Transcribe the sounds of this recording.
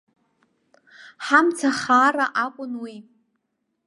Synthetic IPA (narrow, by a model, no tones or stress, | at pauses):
ħamt͡sʰaχaːraʔakʷʼʊnwi